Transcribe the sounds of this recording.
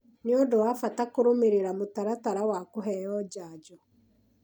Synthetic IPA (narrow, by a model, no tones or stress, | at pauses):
niodowafatakoɾomeɾeɾamotaɾataɾawakoɦɛjɔd͡ʑaːd͡ʑɔ